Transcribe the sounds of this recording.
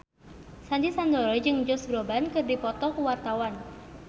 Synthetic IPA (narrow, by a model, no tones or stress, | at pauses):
sand̪isand̪oɾɛd͡ʒɨŋd͡ʒʊsbɾobankɨrdipɔt̪ɔkuwart̪awan